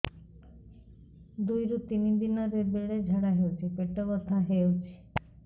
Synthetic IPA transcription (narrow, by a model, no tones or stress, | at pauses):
d̪ujɾut̪inid̪inaɾebeɽed͡ʒʱaɽaɦeot͡ʃʰipeʈɔbɔst̪ʰaɦeot͡ʃʰi̥